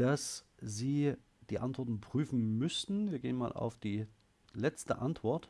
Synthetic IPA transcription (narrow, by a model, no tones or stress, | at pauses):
d̥as | ziː | d̥iːʔantv̥ɔɐtn̩pʁ̥yːfn̩mʏstn̩viːɐɡeːənmaːlʔa̰ʊfd̥iː | lɛt͡stə̰ʔantv̥ɔɐt